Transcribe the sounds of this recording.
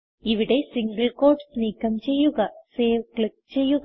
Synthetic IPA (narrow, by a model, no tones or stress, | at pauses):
iʋiɽe̞siŋɡɐɭko̞ːɖsniːkːɐmt͡ɕe̞jːuɣɐseːʋkɭik̚t͡ɕe̞jːuɣ